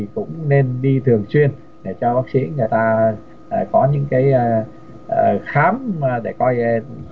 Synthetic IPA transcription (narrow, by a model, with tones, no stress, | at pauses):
i˨˩kʊ̰˧˥ŋ͡mne˧nɗi˧t̪ʰɨ˨˩əŋswi˧ən | ɗe˧˩t͡ɕɔ˧ɓaː˦˥k̚sḭ˧˥əŋɨ˨˩əjt̪aː˧ | ə˨˩kɔ˨˦ɲɨ̰˧˥ŋkaː˨˦j | xaː˨˦mː˨˩ɗe˧˩kɔ˧j